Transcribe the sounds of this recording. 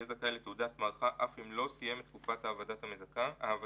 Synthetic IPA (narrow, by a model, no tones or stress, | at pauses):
ezakalet̪eudat̪maʁχaʔafimlo̞sije̞metːkufathaːvadathamezakaaːv